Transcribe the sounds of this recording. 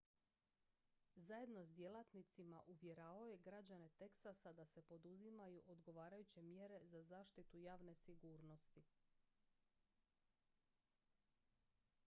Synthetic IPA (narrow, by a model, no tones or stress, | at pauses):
zaje̞d̪no̞zd̪je̞lˠat̪nit̪simaʔuʋjeɾaːʋaoje̞ɡɾad͡ʑane̞t̪eksasad̪ase̞po̞d̪uzimajuʔod̪ɡo̞ʋaːɾajut͡ɕe̞mjeɾe̞zazaːʃt̪it̪ujaːʋne̞siɡuːɾno̞st̪i